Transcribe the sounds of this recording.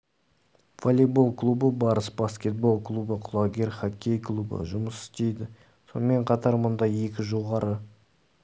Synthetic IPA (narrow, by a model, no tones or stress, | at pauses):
volʲebo̞lˠklˠubəbɑɾəsbaskʲe̞t̪̚bo̞lˠklˠubəqʰʊlˠoɡʲe̞ɾχakʲʰːe̞jklˠubə̰ʒʊməsɪ̥st̪e̞jd̪ɪ | so̞nəme̞ɴqʰɑt̪ɑɾmʊnd̪ɑje̞kʲɪʒo̞ʁɑɾə